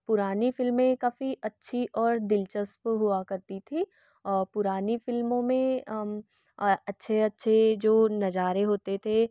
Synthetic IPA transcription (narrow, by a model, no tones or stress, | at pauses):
pʊɾaːnifɪlmẽkaːfiʔɐtːʃʰiʔɔːɾd̪ɪlt͡ʃəspɦʊakɐɾt̪it̪ʰiː | ɾpʊɾaːnifɪlmõmẽ | ɐtːʃʰeɐtːʃʰed͡ʒoːnɐd͡ʒaːɾeɦoːt̪et̪ʰe